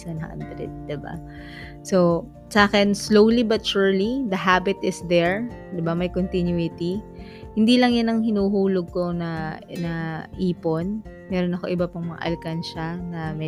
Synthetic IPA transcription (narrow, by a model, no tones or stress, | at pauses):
ɐnɐʔɐ̰nd̪ɾɪ̰t̪̚d̪ɪba̰ | so | sɐaːkɛnslowlibɐt̪̚ʃuɹlid̪ɐɦabɪt̪ɪsd̪ɛɹd̪ɪbɐmɐjkont̪injuɪt̪i | hɪnd̪ilɐŋjanɐŋhɪnuːɦuːloɡ̚ko̞nɐnɐʔiːpo̞n | mɛːɾonɐko̞ʔɪbɐpɐŋmɐŋa̰ʔɐ̰lkanʃɐnɐmɛ